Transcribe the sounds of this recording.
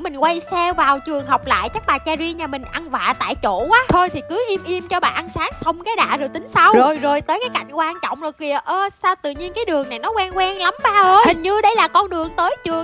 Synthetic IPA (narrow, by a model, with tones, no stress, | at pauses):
mï˨˩ŋ̟kwa˧jsɛ˧vaː˨˩wt͡ɕɨ˨˩əŋɦɔ˨˩wk͡p̚la̰ː˧˨jt͡ɕa˦˥k̚ɓaː˨˩t͡ɕaː˧zi˧ɲaː˧˩mï˨˩ŋ̟ʔa˧nva̰ː˧˨t̪a̰ː˧˨jt͡ɕo̰˧˩˨waː˨˦t̪ʰo˧jt̪ʰi˨˩kɨ˨˦ʔi˧əmʔi˧əmt͡ɕɔ˧ɓaː˨˩ʔa˧nsaː˨˦ŋsə˧wŋ͡mkaː˨˦jɗa̰ː˧˨zo˨˩jt̪ï˨˦ŋ̟sa˧wzo˨˩jzo˨˩jt̪əː˨˦jkaː˨˦jka̰˧˨jŋ̟kwaː˧nt͡ɕɔ̰˧˨wŋ͡mzo˨˩jki˨˩əʔəː˧saː˧wt̪ɨ̰˧˨ɲi˧ənkaː˨˦jɗɨ˨˩əŋna˨˩jnɔ˨˦kwɛː˧nkwɛː˧nla˨˦mɓaː˧˩həː˧hï˨˩ŋ̟ɲɨ˧ɗə˧jlaː˨˩kɔ˧nɗɨ˨˩əŋt̪əː˨˦jt͡ɕɨ˨˩əŋ